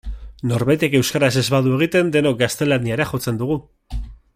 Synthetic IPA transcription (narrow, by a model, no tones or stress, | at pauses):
no̞ɾβajt̪e̞ke̞wskaɾas̬e̞zβaðue̞ɣ̞it̪e̞nd̪e̞no̞k̚ɡast̪e̞laniaɾaxo̞t͡se̞nd̪uɣ̞u